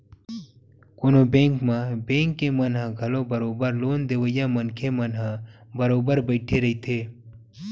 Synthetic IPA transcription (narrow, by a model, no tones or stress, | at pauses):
koːnobẽːŋkmãbẽːŋkːemənɦãɡʱəlõbəɾoːbəɾloːnd̪eːʋəjamənkʰemənɦãbəɾoːbəɾbəɪʈʰeɾɐɦit̪ʰeː